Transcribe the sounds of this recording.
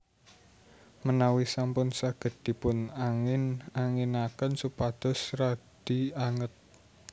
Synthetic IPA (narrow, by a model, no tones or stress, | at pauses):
mənawisampʊnsaɡ̥ə̤d̪̥i̤pʊnaŋɪnaŋinakənsupad̪̥ɔ̤srad̪̥i̤aŋət̪̚